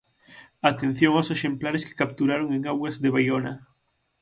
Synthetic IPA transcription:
at̪en̟θjoŋawseʃemplaɾeske̥kap̚t̪uɾaɾoŋeŋawɣazðeβajona

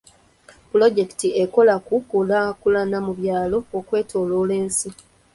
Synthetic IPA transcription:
pulo̞ɟe̞ki̥tieko̞lakuolaːkulanamuβjaːlo̞ːkwe̞ːtʰo̞ːloːleːnsi

